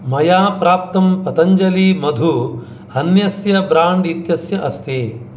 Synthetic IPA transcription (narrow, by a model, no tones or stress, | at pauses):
mɐjaːpɾaːp̚t̪ɐmpɐt̪ɐɲd͡ʒɐlimɐd̪ʱu | hɐnjɐsjɐbɾaːɳɖit̪jɐsjɐʔɐst̪ʰeː